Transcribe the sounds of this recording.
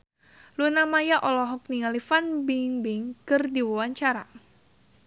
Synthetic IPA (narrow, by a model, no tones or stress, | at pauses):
lunamajaʔɔlɔɦɔk̚niŋalifanbɪŋbɪŋkɨrdiwawaɲt͡ʃaɾa